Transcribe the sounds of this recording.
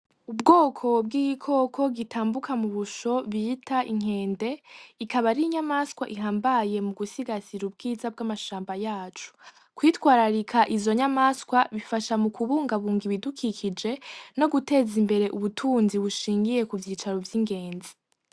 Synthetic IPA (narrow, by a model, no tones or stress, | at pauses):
ubɡo̞ːkʰo̞b̚ɡiːɡikʰo̞kʰo̞ɡitʰaːmbukʰamuβuʃo̞βitʰaʔiŋ̥e̞ːnde̞ikaβaɾiiɲamaskwaʔiɦaːmbaje̞muɡusiɡaziɾub̚ɡiːzab̚ɡamaʃaːmbajaːt͡ʃu̥ | kwiːtwaːɾaɾikʰaʔizo̞ɲamaskwaβifaʃamukʰuβuːŋɡaβuːŋɡiβidukʰikʰid͡ʒe̞no̞ɡute̞ːzimbe̞ɾe̞ʔuβutʰuːnziβuʃiːŋɡije̞kuvjiːt͡ʃaɾovjiŋɡe̞ːnzi